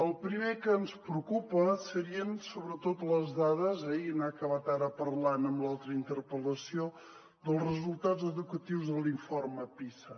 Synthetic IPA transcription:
əlˠpɾimekəːnspɾəukupəsəɾiənsoβɾət̪ot̪ləzðað̞əzɛinakəβat̪aɾəpərlanəmblˠalˠt̪ɾəint̪əɾpələsio | d̪əlˠzrəzulˠt̪azəðukət̪iwzðəliɱforməpisə

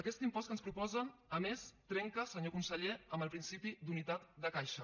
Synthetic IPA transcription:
əkɛst̪impɔst̪̚kənspɾupɔzənəmest̪ɾɛŋkəsəɲokunsəʎeəmbəlˠpɾinsipid̪unit̪at̪d̪əkajʃə

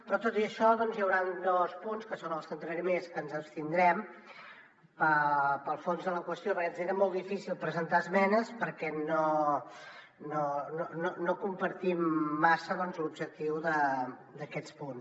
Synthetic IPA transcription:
pɾɔt̪ot̪iəʃɔðɔnzjəwɾand̪ɔspunskəsonəlˠsənt̪ɾəɾimeskənzəpst̪ind̪ɾɛm | pəpəlˠfonzðələkwəst̪joβəɾkɛt̪seɾəmolˠd̪ifisilˠpɾəzənt̪aəzmɛnəspəɾkɛno | nonononokumpəɾt̪imːasəðɔnzlubʒək̚t̪iwðəd̪əkɛt͡spuns

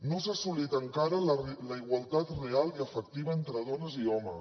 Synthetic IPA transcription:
nosasulit̪əŋkaɾəlləiɣwalˠt̪at̪realˠiəfək̚t̪iβəent̪ɾəðɔnəziɔmə

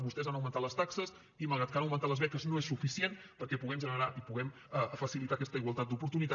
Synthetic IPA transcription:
βust̪ɛzanəwmə̃nt̪atləst̪aksəs | iməlˠɣɾat̪̚kanəwmənt̪at̪lˠəzβɛkəznoesufisien | pəɾkɛpuɣɛmʒənəɾaʔipuɣɛm | əfəsilit̪akɛst̪əiɣwəlˠt̪at̪d̪upuɾt̪unit̪

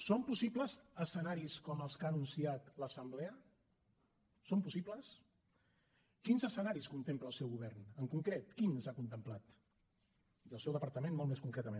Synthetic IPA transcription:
sompusipləzəsənaɾiskɔməlˠskaːnunsiat̪ləsəmblɛə | sompusipləs | kinzəsənaɾiskunt̪empləːlˠsɛwɣuβ̞ɛrnəŋkuŋkɾet̪kinsakunt̪əmplat̪ | iəlˠsɛwðəpəɾt̪əmenmɔlˠmeskuŋkɾɛt̪əmen

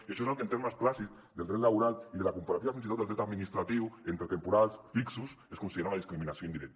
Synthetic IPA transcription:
eʃoesalkent̪eɾmasklasiz | ðeld̪ɾet̪laβuɾaliðelakumpaɾat̪iβafins̬it̪oeld̪ɾet̪aðminist̪ɾat̪iwent̪ɾet̪empuɾalsfiksus | eskunsiðeɾawnaðiskɾiminasjond̪iɾek̚t̪

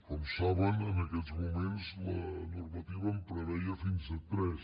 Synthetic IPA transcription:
komsaβənənɐkɛzmumẽnzlənuɾmɐt̪iβəmpɾəβɛiɐfinzət̪ɾɛs

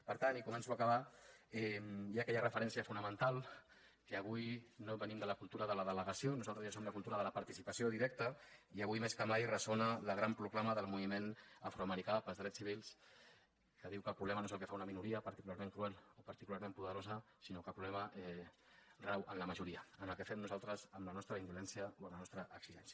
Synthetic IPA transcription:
pəɾt̪anikumɛ̃nsuakəβaɛmjakɛʎərəfəɾɛnsiəfunəmənt̪alˠ | kəːβ̞ujnoβənimd̪ələkulˠt̪uɾəðələðələɣəsionuzalˠt̪ɾəzʒasomləkulˠt̪uɾəðələpəɾt̪isipəsioðiɾɛk̚t̪əiəβujmeskəmajrəsonələɣɾampɾuklaməðəlˠmuβimenəfɾoəməɾikapəlˠzðɾɛt͡ssiβ̞ilˠs | kəðiwkəlpɾuβlɛmɐənoezəlˠkefaunəminuɾiəpəɾt̪i̥kulaɾmẽŋkɾuɛlopəɾt̪ikulaɾmẽmpuðəɾozə | sinokəpɾuβlɛməɛ | rawʔəmləməʒuɾiəənəlˠkefɛmnuzalˠt̪ɾəzəmlənɔst̪ɾəind̪ulɛnsijəoəmlənɔst̪ɾəʔəksiʒɛnsjə

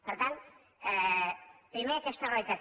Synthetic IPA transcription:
pəɾt̪ant̪ | ɛ | pɾimeakest̪ərajt̪a

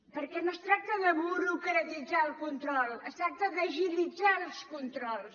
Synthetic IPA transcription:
pəɾkɛnost̪ɾak̚t̪əðəβuɾukɾət̪id͡zaəlˠkunt̪ɾɔlˠəst̪ɾak̚t̪əðəʒilid͡zalˠskunt̪ɾɔlˠs

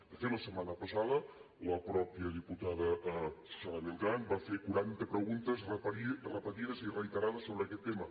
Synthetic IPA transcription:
d̪əfeləsəmanəpəsaðə | ləpɾɔpiəð̞iput̪aðəsalaβilˠkanbafekuɾant̪əpɾəɣunt̪əzrəirəpət̪iðəzirəit̪əɾaðəsoβɾəkɛt̪ːemə

